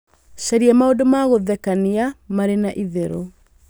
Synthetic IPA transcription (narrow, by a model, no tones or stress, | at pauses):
ɕaɾiɛmaodomaɣoðɛkaniamaɾenaʔiðeɾo